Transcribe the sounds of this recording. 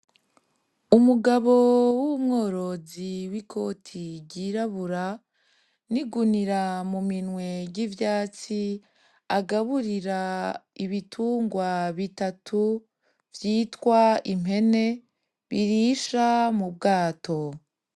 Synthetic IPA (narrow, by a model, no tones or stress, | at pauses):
umuɡaβo̞wumŋo̞ːɾo̞ziwikʰo̞tʰiɟiɾaβuɾa | niɡuniɾamuminŋwe̞ɟivjaːt͡si | aɡaβuɾiɾaiβitʰuːŋɡwaβitatʰu | vjiːtwaim̥ɦe̞ne̞ | βiɾiʃamub̚ɡaːtʰo̞